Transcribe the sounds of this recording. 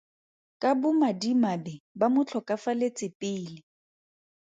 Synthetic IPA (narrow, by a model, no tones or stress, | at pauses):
kʼabʊmadimabɪbamʊt͡ɬʰɔkʼafalet͡sʼɪpʼɪːlɪ